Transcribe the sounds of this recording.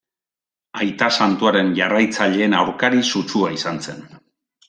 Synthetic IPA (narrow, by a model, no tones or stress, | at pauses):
ajt̪asant̪uaɾe̞nʝarajt͡saʎe̞ːnawɾkaɾisut͡suaisanse̞̰n